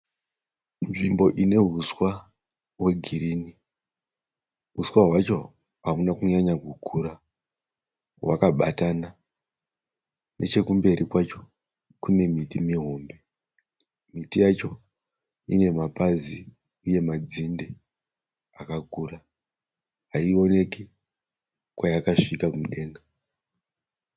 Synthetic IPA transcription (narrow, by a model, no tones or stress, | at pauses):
nʐimbo̞ʔine̞ɦuswa | we̞ɡʱiɾiːni | ɦuswaɦwat͡ʃo̞ | ɦaunakuɲaɲaɡʱukʰuɾa | wakaɓatana | nʔe̞̰t͡ʃe̞kumbe̞ɾʔikwat͡ʃo̞ | kune̞mitimiɦo̞ːmbe̞ | mitijat͡ʃo̞ | ḭne̞mapazi | uje̞mad͡zinde | akakura | ɦaio̞ne̞ki | kwajakaʂikakumɗe̞ːŋɡa